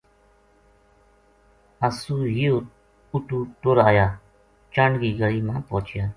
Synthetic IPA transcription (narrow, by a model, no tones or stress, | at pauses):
əsuːɦijoː | ʊʈuːʈoːɾaːjaː | t͡ʃaɳɡiːɡəliːmãːpoːt͡ʃjaː